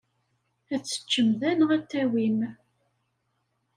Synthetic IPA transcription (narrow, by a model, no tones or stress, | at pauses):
æt͡sːə̥t͡ʃːəmðænʁæt̪ːæwim